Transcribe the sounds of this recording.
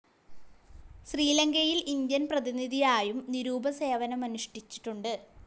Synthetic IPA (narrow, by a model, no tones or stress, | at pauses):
ɕriːlɐŋɡɐjilind̪jɐnprɐðiniðijaːjumniɾuːbʱɐse̞ːʋɐnɐmɐnuʂʈit͡ɕːi̥ʈːuɳɖɨ